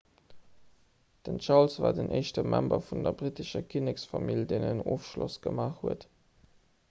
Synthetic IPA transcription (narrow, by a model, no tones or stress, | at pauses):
d̥ənʃɑʁlsvaːdənʔəɪʃtəmʔæmbɐfundɐbʁitəʃɐkʰinəksfɑmildeɪnəno̰ːfʃlo̰sɡ̥əmaːχhuət